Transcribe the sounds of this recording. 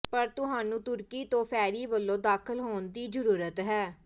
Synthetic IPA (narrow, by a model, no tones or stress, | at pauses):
pəɾt̪ʊɦaːnũːt̪ʊɾkiːt̪õːpʰɛːɾiːʋəlːõːd̪aːkʰəlɦoːnd̪iːd͡ʒəɾuːɾət̪ɦɛː